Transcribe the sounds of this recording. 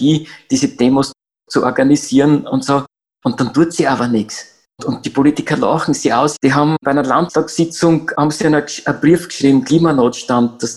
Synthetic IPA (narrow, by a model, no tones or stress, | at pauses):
iːd̥iːzəd̥eːmos | t͡suʔɔɐɡanisiːɐnʊ̰ntsoː | ʊnttːɑntuətsiaːbɐnɪks | tʊnt̚d̥ipʰolitɪkʰɐla̰xŋ̩siaʊsd̥iɦɑmpæɪnɐlanttɑksɪt͡sʊŋhɑbmsinəɐbʁiəfkʃʁiːbm̩kliːmanoːtʃtant̚d̥ɑs